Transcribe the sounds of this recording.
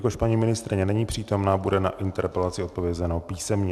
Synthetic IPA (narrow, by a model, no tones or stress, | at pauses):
ko̞ʃpaɲimɪnɪst̪ɾɪɲɛnɛɲiːpr̝̥iːt̪o̞mnaːbudɛna̰ʔɪnt̪ɛɾpɛlat͡sɪot̪̚po̞vjɛzɛnopiːsɛmɲɛ